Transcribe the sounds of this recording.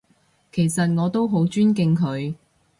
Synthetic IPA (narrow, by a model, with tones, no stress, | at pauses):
kʰe˨˩jsɐ˨t̚ŋɔː˨˧t̪o˥wɦo˨˥wt͡ʃyː˥nk̬ɪ˧ŋkʰɵ˨˧ɥ